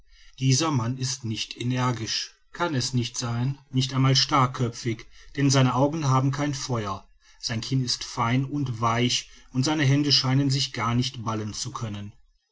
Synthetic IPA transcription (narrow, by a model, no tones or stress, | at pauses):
d̥iːzɐmanɪstnɪçtʰenɛɐɡɪʃ | kʰanɛsnɪçtz̥aɪnːɪçtaɪnmaːlʃtaɐkʰœp͡fɪçd̥ɛnzaɪnəʔaʊɡŋ̩ɦaːbm̩kʰaɪnfɔʏɐ | z̥aɪnkʰɪnɪstfaɪnʊntv̥aɪç | ʊntz̥aɪnəɦɛndəʃaɪnənzɪçɡ̥aɐnɪçtb̥alənt͡sukʰœnən